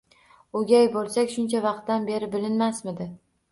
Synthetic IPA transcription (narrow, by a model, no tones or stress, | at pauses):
oɡʲajbolˠsakʲʃʊnt͡ʃʰavɑq̚t̪ːanbe̞ɾɪbɪlɪnmasmɪd̪ɪ